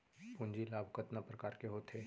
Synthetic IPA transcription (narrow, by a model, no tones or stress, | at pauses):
pʊ̃ɲd͡ʒilaːbʱkət̪napɾəkaːɾkeɦoːt̪ʰeː